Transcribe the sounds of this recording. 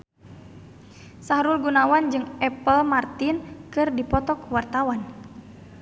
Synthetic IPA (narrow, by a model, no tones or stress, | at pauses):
saɾulɡunawand͡ʒɨŋɛpəlmart̪inkɨrdipɔt̪ɔkuwart̪awan